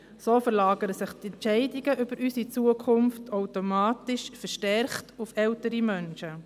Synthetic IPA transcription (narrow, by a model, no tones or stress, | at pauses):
soːfəɾlɑːɡəɾəsɪχt̪ɛntt͡ʃɛɪdiɡəʔʏb̥əɾysit͡suəkʰʊmftʰawtomɑːtɪʃfəɾʃtɛɾχtufɛwtəɾimœnʃə